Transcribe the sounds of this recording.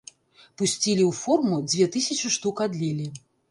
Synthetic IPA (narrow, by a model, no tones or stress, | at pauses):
pusʲt͡sʲilʲiwfɔrmud͡zʲvʲɛt̪ɨsʲɐt͡ʂɨʂt̪ukad̪lʲilʲi